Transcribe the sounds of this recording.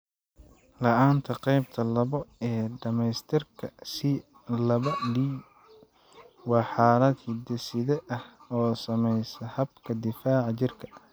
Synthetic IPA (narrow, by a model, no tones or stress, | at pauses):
lɐʔaːnt̪ʰɐqɛjb̚t̪ʰɐlɐβɔɛːɖɐmɛjst̪ʰɪrkʰɐsɪ | lɐβɐɖiː | wɑːħɑːlɐd̪hɪd̪ɛsɪðɛʔɐhɔːsɐmɛjsɐhɐbkʰɐd̪ɪfaːʕɑt͡ʃɪrkʰɐ̥